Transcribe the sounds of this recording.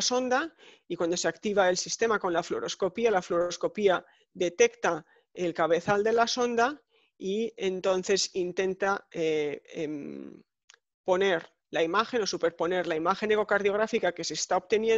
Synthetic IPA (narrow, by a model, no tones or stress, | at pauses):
so̞nd̪a | ikwand̪o̞se̞akt̪iβae̞lsist̪e̞mako̞nlaflo̞ɾo̞sko̞pialaflo̞ɾosko̞pia | ðe̞t̪e̞kt̪a | elkaβ̞e̞θald̪e̞laso̞nd̪a | ie̞nt̪o̞nθe̞sint̪e̞nt̪aeem | po̞ne̞ɾ | laimaxe̞no̞supe̞ɾpo̞ne̞ɾlaimaxe̞neko̞kaɾð̞jo̞ɣ̞ɾafikake̞se̞st̪aoβt̪e̞nje